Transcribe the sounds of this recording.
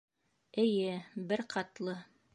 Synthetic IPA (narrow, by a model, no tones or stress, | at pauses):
ɘ̆jɘbɘɾqʰɑt̪lˠɤ